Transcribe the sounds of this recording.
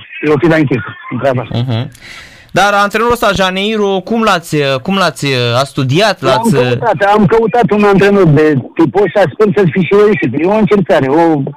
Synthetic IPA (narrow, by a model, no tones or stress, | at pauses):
eofilaɨŋkʲisəɨnt̪ɾeabaɦ̩ | d̪aɾant̪ɾenoɾost̪aʒanejɾokumlat̪sʲkumlat̪sʲast̪ud̪iat̪lamʲt̪at̪amkəut̪at̪unant̪ɾenot̪̚d̪et̪iposasʲpulsəfiʃiɾed̪isip̪eoɨnt͡ʃeɾk̪aɾeo